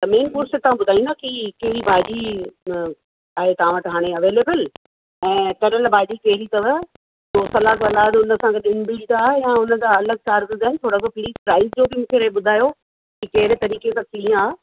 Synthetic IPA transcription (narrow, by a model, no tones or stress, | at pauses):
t̪ɐmeːnkuːɾset̪ɐʋ̤ãbʊd̪ʱaːĩnd̪akikɐɦɪɾibʱaːd͡ʑi | aːɦet̪ɐʋ̤ãʋɐʈɦaːɽ̃eɐʋeːleːbəl | ɛ̃ːt̪ɐɾəlbʱaːd͡ʑikɐɦɪɾit̪ɐʋə | t̪oːsɐlaːt̪ɐlaːd̪ʊnəsãɡeɗɪnbiːlʈ̪aːɦejãʊnə̆d̪aɐləɡ̚t͡ɕaːɾɡəzaːɪnɪt̪ʰoːɽakopiɾispɾaːɪzd͡ʑoːbɪmũːkʰeɾɐeɓʊd̪ʱaːjo | kikɐɦɪɾet̪ɐɾiːkesãkiːə̃aː